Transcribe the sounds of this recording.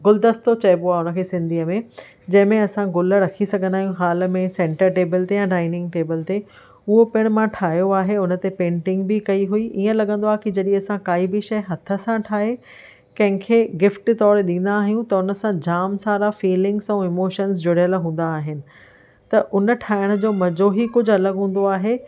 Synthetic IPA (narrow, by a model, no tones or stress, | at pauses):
ɡʊld̪əst̪ot͡ɕɐjboaːʊnə̆kʰeːsɪ̃nd̪ʱiːəmẽ | d͡ʑɐ̃ɦɪ̃mẽɐsãɡʊlə̆ɾɐkʰisɐɡʱə̃nd̪aːɦjũɦaːl̆mẽsẽːɳʈəɾʈeːbəlt̪ejãɖaːɪnɪ̃ŋɡʈeːbəlt̪e | ʊɦopɪɽ̃mãʈʰaːɦijoaːɦeʊnə̆t̪epẽːɳʈɪ̃ŋɡbɪkɐiɦuiʔiːə̃lɐɡɠə̃nd̪oaːɦkid͡ʑɐɗĩɐsãkaːibɪʃɐjɦɐt̪ʰə̆sãʈʰaːɦe | kɐ̃ɦɪ̃kʰeːɡɪfʈt̪ɔːɾɗĩːn̆d̪aːɦijũt̪ɐʊnə̆sãd͡ʑaːmsaːɾafiːlɪ̃ŋɡsɛ̃ɪmoːʃəns̬d͡ʑʊɽ̤jəlɦũːn̆d̪aːɦɪnɪ̆ | t̪ɐʔʊnə̆ʈʰaːɪɽ̃d͡ʑoːmɐd͡ʑoːɦikʊd͡ʑʱɐləɡɦũːn̆d̪oaːɦe